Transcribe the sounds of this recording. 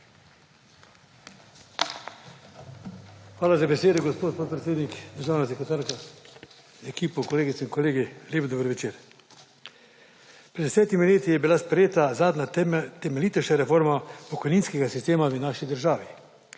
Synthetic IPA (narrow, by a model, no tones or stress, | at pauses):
xʋaːlazabeseːd̪ɛɡospoːt̪poːt̪̚pɾet̪eːd̪niknaʒaːwnasɛkɾɛt̪aːɾka | ɛkiːpɔkɔleːɡit̪sɛinkoleːɡiljeːbd̪ɔbəɾʋɛt͡ʃeːɾ | pɾɛd̪d̪ɛsɛːt̪imileːt̪ijɛbilaspɾɛjeːt̪azaːd̪nat̪ɛmeliːt̪ɛʃaɾɛfoɾmapɔkɔjniːnskɛɡasist̪eːmaʋənaːʃid̪əɾʒaːʋi